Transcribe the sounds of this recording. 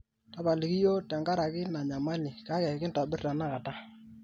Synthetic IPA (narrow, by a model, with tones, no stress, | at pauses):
ta˦pa˨li˨ki˦jo˦ta˨ŋɡa˦ɾa˨kɪ˦na˨ɲa˨ma˦lɪ˨ka˨˦kɛ˨kɪ˦n̩ta˨bɪ˦rta˨na˦ka˨ta˦